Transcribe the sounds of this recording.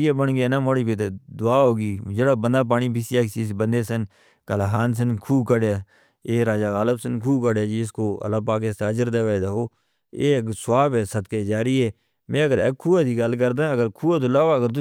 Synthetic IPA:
jaːbəɳɡjeːnaːmoːɽiːpeːt̪̬eːd̪ʊaːɦoːɡiːd͡ʒeːɽaːbənd̪aːp̬aːɽiːpɪsijaːksisbənd̪eːsən | kəlaɦaːns̬ənkʰuːkəɽjaː | eːɾaːd͡ʒaːɣaːləbsənkʰuːkəɽaːd͡ʒiːɪskoːə̰laːpaːk̬est̪aːd͡ʒəɾd̪aːʋaːd̪aːɦoː | ḛːksʊwaːbɛːsət̪keːd͡ʒaːɾiːɦɛː | mɛ̃ːəɡəɾɛ̰kʰːuːat̪iːɡəlkəɾd̪aːəɡəɾkʰuːaːt̪oːlaːaːɡəɾt̪ʊ

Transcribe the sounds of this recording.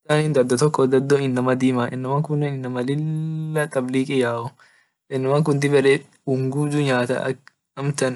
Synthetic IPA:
aːnind̪ɐɾd̪ɔt̪ɔkːɔd̪ɐd̪ːɔɪnːɐmɐd̪iːmɐʔɛ̰nːɐmaːŋkʊnːɛnɪnːɐmɐlɪlːɐt̪ʼɐbliːkʼɪjaːʔɔ | ʔɛnːɪmaːŋkʊnd̪ɪbɛɾɛ | ʊŋɡud͡ʒ̪ʊɲaːt̪ɐ̰ɐ̰k | ɐmt̪ɐn

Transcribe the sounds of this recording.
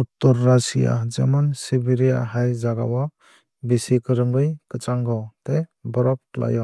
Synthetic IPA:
utːɔɾːasija̰d͡ʒamansibiɾijaɦajzaɡawa | besikɯɾɯŋɡɯjkɯt͡ʃaŋɡɔtebɔɾɔp̚kla̰jɔ

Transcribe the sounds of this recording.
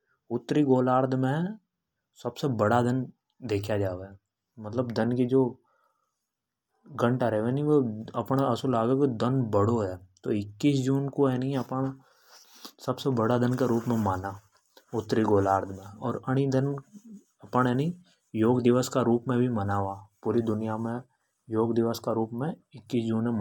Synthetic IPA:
ʊt̪ːɾiɡoːlaːɾd̪ʰʱmẽ | sɐbsebəɽad̪ən | d̪eːkʰjad͡ʒaːʋe | mət̪ləbd̪ənkid͡ʒoː | ɡə̃ɳʈaɾɛɦʋenĩʋoɐpɳaəsulaːɡakid̪ənbəɽ̤oɦɛːt̪oɪkːiːsd͡ʒuːnkoɛnĩɐpən | sɐbsebəɽad̪ənkaɾuːpmẽmaːna | ʊt̪ːɾiɡoːlaːɾd̪mẽɔːɾəɽ̃id̪ən | ɐpəɳɦɛnĩ | joːɡd̪ɪʋəskaɾuːpmẽbʱimənaːʋaːpuːɾid̪ʊnɪjamẽ | joːɡd̪ɪʋəskaɾuːpmẽɪkːiːsd͡ʒuːnẽ

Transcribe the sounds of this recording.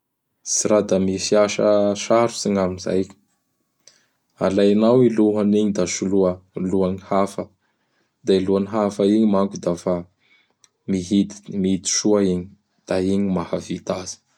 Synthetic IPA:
siɾad̪amifiaʃə̰ʃaɾu̥siŋaminza̰j | alajnawiluɦaniɲid̪aʃuluəluaɲihafə | d̪ailuaniɦafaiɲimaŋkud̪afa | miɦit̪i̥miit̪i̥ʃuaiɲi̥ | d̪̥aiɲimahavit̪az̥i̥

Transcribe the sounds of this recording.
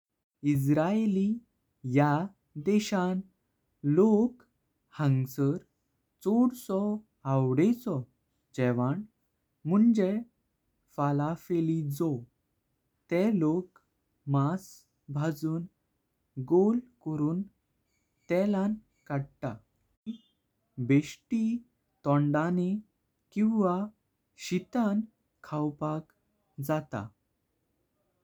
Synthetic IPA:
isɾaeli | ja | d̪ɛɕãn | lok | hãŋɡsəɾ | t͡sɔɽsɔ | awɽet͡sɔ | d͡ʑɛʋaɳ | m̤uɳd͡ʑe | falafelid͡zɔ | t̪ɛlok | mas | bʱad͡zuːn | ɡolkɔɾuːn | t̪ɛlan | kaɽta̰ | ki | beɕʈi | t̪ɔ̃ɳɖani | kĩw̃ʋa | ɕit̪an | kʰawpak | d͡zat̪a̰

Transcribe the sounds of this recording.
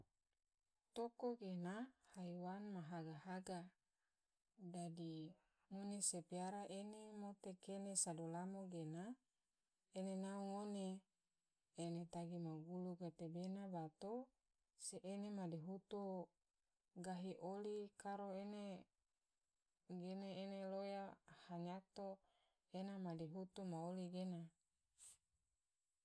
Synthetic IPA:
t̪okoɡenahaiwanmaɦaɡaɦaɡa | dadi | ŋonesepiaɾaʔenemot̪ekenesadolamoɡena | enenauŋone | net̪aɡimaɡuluɡat̪ebenabat̪o | seʔenemadiɦut̪o | ɡaɦiʔolikaɾoene | ɡeneenelojahaɲat̪o | enamadiɦut̪umaoliɡena

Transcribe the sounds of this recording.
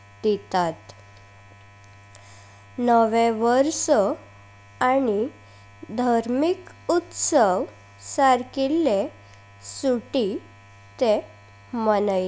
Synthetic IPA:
d̪it̪at̪ | nəʋeʋəɾsə | ani | d̪ʱaɾmikut̪səʋ | saɾkilːe | suʈi | t̪e | mənəj

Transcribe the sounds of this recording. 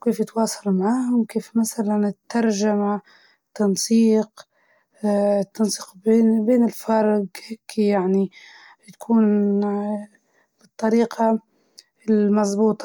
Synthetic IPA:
keːfjɪt̪wɑːsˤɑlmaʕaːhʊmkeːfmasalanɪt̪ːɑɾˤʒama | t̪ːɑnsˤiːq | t̪ːɑnsi̥ːqbeːbeːnɪlfɑɾˤɡheːkʰːijaʕni | jḁkʰuːn | b̥ɨt̪ˤːɑɾiːqʰɑ | ɪlmɑzˤbuːt̪ˤ

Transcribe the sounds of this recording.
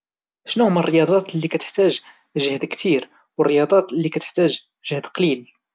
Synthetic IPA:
ʃnuhʊmərːəjɑd̪ˤɑt̪lːikæt̪ə̥ħt̪æʒ | ʒəhd̪kt̪iɾ | wərˤːəjɑd̪ˤɑt̪lːikæt̪ə̥ħt̪æʒ | ʒəhd̪qlil

